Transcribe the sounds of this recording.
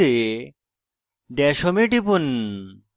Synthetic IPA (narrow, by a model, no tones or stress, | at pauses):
e | ɖɛʃomeʈipun